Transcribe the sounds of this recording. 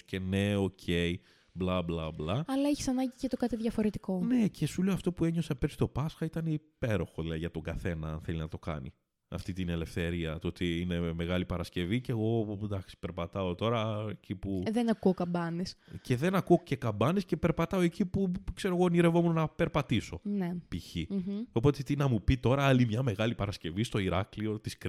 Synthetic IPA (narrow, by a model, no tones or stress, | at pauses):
ce̞ne̞o̞cʰei | blɐblɐblɐɐlɐeçi̥sɐnɐɲɟicet̪okɐt̪iðʝɐfo̞ɾet̪iko̞ne̞ce̞sule̞oɐft̪o̞pue̞ɲo̞sepesi̥t̪o̞pɐsxɐit̪ɐneipe̞ɾo̞xo̞ðilɐðiʝɐt̪o̞ŋɡɐθe̞nɐɐnθe̞linɐt̪o̞kɐ̰nḭ | ɐ̰ft̪it̪ine̞le̞fθe̞ɾiɐt̪ot̪iine̞me̞ɣɐlipɐɾɐsce̞viceɣo̞d̪ɐksi̥peɾpɐt̪ɐot̪o̞ɾɐecipuðenɐkuokɐmbɐnesce̞ðe̞nɐkuo̞ce̞kɐmbɐnesce̞pe̞ɾpɐt̪ɐo̞e̞cipukse̞ɾo̞ɣo̞niɾe̞vo̞munonɐpe̞ɾpɐt̪iso̞nepiçio̞pot̪et̪inɐmupit̪o̞ɾɐɐlimɲɐmeɣɐlipɐɾɐsce̞vist̪o̞iɾɐklio̞t̪isk